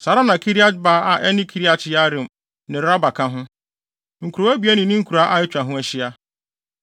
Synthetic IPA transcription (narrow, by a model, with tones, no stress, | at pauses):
sa˨ɾa˦nã˨kʰi˦ɾi˦a˦ba˦a˨ʔɛ˦nɪ̃˦kʰi˦ɾi˦a˦˨t͡ʃʰɪ˦ja˦ɾɪ̃˨m | nɪ̃˨ɾɾa˦ba˨kʰã˦ɦʊ̃˦ | ŋ̩˨kʰu˨ɾo˨˦æ˦bi˨˦ɛ˦nɪ̃˨nĩ˦ŋ̩˦kʰu˨ɾa˦ʔa˦ɪ˦t͡ɕᶣa˨ɦʊ̃˦ɛ˦ɕɪ˦a˦